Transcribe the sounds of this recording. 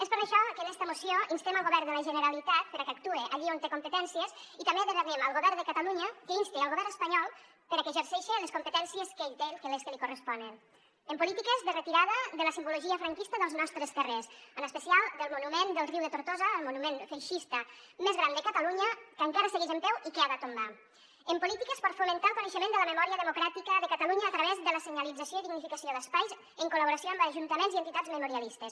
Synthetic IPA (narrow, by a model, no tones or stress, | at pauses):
espəɾəʃɔkənɛst̪əmusioinst̪eməlˠɣoβɛɾd̪əlaʒənəɾalit̪at̪̚pəɾakak̚t̪ueʔaʎiont̪ekumpət̪ɛnsiesit̪ambeðəɣaðeməlˠɣoβɛɾd̪əkat̪aluɲəkəinst̪ialˠɣoβɛɾnəspaɲɔlˠ | pəɾakeʒəɾsɛʃeləskumpət̪ɛnsiəskeit̪ekeleskəlikurəspɔnen | əmpulit̪ikəzðərət̪iɾaðəðəlasimbuloʒiəfɾaŋkist̪əðəlˠznɔst̪ɾest̪əresənəspəsialˠd̪əlˠmunumend̪əlˠriwðət̪uɾt̪ozəːlˠmunumenfejʃist̪əmezɣɾand̪əkət̪aluɲəkəŋkaɾəseɣizəmpɛwikeaðət̪umba | əmpulit̪ikəspəɾfumənt̪alˠkunəʃəmend̪ələməmɔɾiəðəmukɾat̪ikəðəkət̪aluɲəːt̪ɾəβezðələsəɲəlid͡zəsioiðiɡnifikəsioðəspajz | əŋkuləβuɾəsioambəːʒunt̪əmenzient̪it̪ad͡zməmuɾialist̪əs